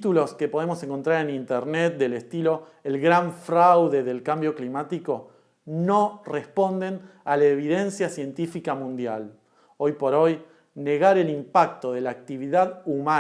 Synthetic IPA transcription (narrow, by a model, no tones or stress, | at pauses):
t̪ulo̞ske̞po̞ð̞e̞mo̞se̞ŋko̞nt̪ɾaɾenint̪eɾnet̪̚d̪elest̪ilo̞ | elɣɾaɱfɾawðe̞ðe̞lkambjo̞klimat̪iko̞ | no̞respo̞nd̪e̞nalaeβiðe̞nsjasje̞nt̪ifikamũnd̪jal | o̞jpo̞ɾo̞j | ne̞ɣaɾe̞limpak̚t̪o̞ðe̞laːk̚t̪iβ̞iðaðuma